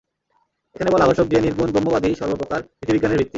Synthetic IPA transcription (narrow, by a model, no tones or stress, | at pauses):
ekʰanebɔlaabaʃok̚d̪ieniɾbunbɔmːobad̪iʃɔɾbopokaɾpɾit̪ʰibʱiɡaneɾbʱit̪ːi